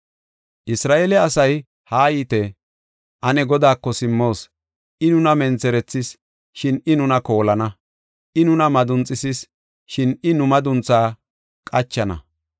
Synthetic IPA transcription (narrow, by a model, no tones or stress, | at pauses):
ʔɪsɾaːʔelɛɐsɐj | haːjiːt̪ɛ | ʔɐnɛɡɔd̪aːkːɔsɪmːo̞ːs | ʔɪnʊnɐmɛnt͡sɛɾɛt͡sːɪs | ʃɪnɪnʊnɐko̞ːlɐnɐ | ʔɪnʊnɐmɐd̪ʊnt͡sʼːɪsɪs | ʃɪnɪnʊmɐd̪ʊnt͡sːaː | kʼɐt͡ʃːɐnɐ̰